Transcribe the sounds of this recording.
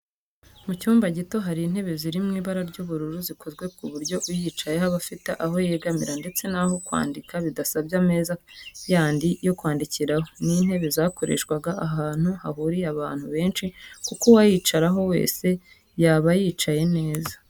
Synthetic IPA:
mucuːmbaɟito̞ɦaɾiːn̥he̞βe̞ziɾimŋiːβaɾaɾɟuːβuɾuɾuziko̞zɡwe̞kuβuɾɟo̞ujiːt͡ʃaje̞haβafiteʔaɦo̞jeːɡamiɾande̞t͡se̞naho̞kwa̰ːndikaβidasabjame̞ːzajaːndijo̞kwaːndiciɾahoniːn̥he̞βe̞zako̞ɾe̞̰ːʃkwaɡaʔaɦaːn̥huhaɦuɾiaβa̰ːn̥huβe̞ːnʃikukowajiːt͡ʃaɾaɦo̞we̞̰ːse̞ | jaːβajiːt͡ʃaje̞ne̞ːzḁ

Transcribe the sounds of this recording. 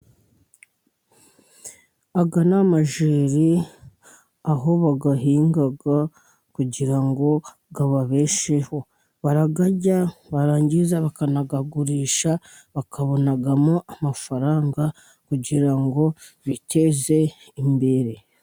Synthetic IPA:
aɡanamaʒiːɾi | aɦo̞βaɡaɦiːŋɡaɡa | kuɟiɾaŋɡo̞ | ɡaβaβe̞ːʃe̞ho̞ | βaɾaɡaɟaβaɾaːɲɟizaβakanaɡaɡuɾiːʃa | βakʰaβo̞naɡamo̞amafaɾaːŋɡa | kuɟiɾaŋɡo̞ | βitʰe̞ze̞ | imbe̞ɾe̞

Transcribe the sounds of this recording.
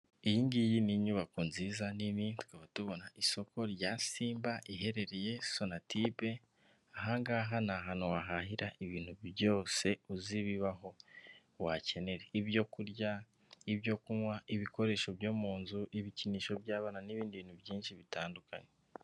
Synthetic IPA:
ijiŋɡijiniɲuβakuːnziːzaninitu̥kaβatuβo̞naʔiso̞kʰo̞ɾjaːsiːmbaʔiɦe̞ɾe̞ɾeje̞so̞natipe | aɦaŋɡaːɦanaɦaːnowaɦahiɾaʔiβiːn̥huβjo̞ːse̞uziβiβaɦo̞ | wace̞ne̞ɾeiβjo̞kuɾɟa | iβjo̞kumwaiβiko̞ɾe̞ʃo̞bjo̞ːmuːnzuʔiβiciniːʃo̞βjaːβaːnaniβiːndiβiːn̥huβjiːnʃiβitaːnduka̰ɲe

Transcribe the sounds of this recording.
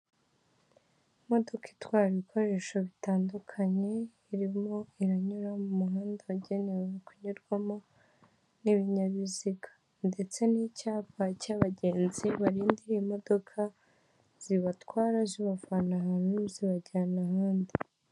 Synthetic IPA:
mo̞do̞ki̥twaːɾikʰo̞ɾe̞ːʃoβitaːndukʰaɲe̞ | iɾimo̞iɾaɲuɾamumuɦaːndawaɟe̞ne̞wekuɲuɾɡwamo̞ | niβiɲaβiziɡḁ | nde̞t͡se̞nicaːβacaβaɟe̞ːnziβaɾiːndiɾiimo̞do̞kʰa | z̥iβatwaːɾaziβavanahanuziβaɟanahaːndi

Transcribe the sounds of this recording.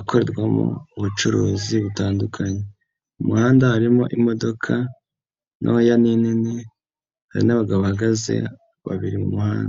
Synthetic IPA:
akʰo̞ɾe̞ɾɡwamo̰uβut͡ʃuɾuːziβutaːndukʰaɲe | umuhaːndahaɾimo̞̰ʔimo̞do̞kʰa | nʔojaninini | haɾinaβaɡaβohaɡaze̞̰ | βa̰βiɾimumuhaːnda

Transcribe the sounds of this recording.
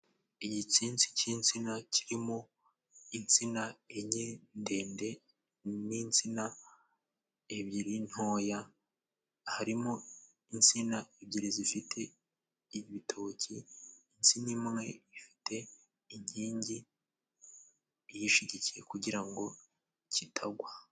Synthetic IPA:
iɟit͡siːnt͡si̥cint͡sinacʰiɾimo | int͡sinaeɲende̞ːnde̞ | nint͡sina | eβɟiɾin̥ho̞ːja | haɾimo | int͡sinaeβɟiɾizifitʰe̞ | iβitʰo̞ːciː | nt͡sinimŋe̞ifi̥tʰe̞ | iɲiːɲɟi | jiʃiɟicije̞̰kuɟiɾaŋɡo̞ | citʰaɡwa

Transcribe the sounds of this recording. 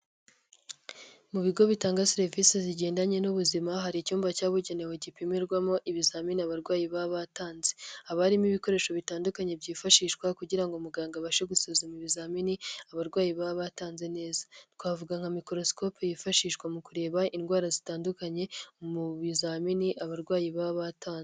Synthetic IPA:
muβiɡo̞βitaːŋɡaseɾeviseziɟe̞ːndaɲe̞nuβuzimaɦaɾicuːmbacaːβuɟeneweɟipimiɾɡwamo̞ʔiβizaːminiaβaɾɡwaːjiβaβataːnze̞aβaɾimiβiko̞ɾe̞ːʃo̞βitaːndukaɲe̞bɟiːfaʃiːʃkwakuɟiɾaŋɡomuɡaːŋɡaβaʃeɡusuzumiβizaːminiaβaɾɡwaːjiβaβataːnze̞ne̞ːzḁtkwaːvuɡaŋhamikoɾo̞sko̞pojifaʃiːʃkwamukuɾe̞ːβainɡwaːɾazitaːndukaɲe̞muβizaminiʔaβaɾɡwaːjiβaβataːnz

